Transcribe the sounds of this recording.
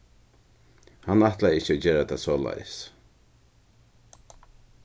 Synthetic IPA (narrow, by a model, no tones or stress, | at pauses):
hanaht̪laɪht͡ʃəɔd͡ʒeːɾat̪ʰa̰soːla̰jə̰s